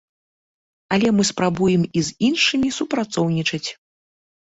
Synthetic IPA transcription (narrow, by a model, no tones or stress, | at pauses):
ɐlʲɛmɨspɾabujɛmizinʂɨmʲisupɾat̪sɔwnʲit͡ʂɐt͡sʲ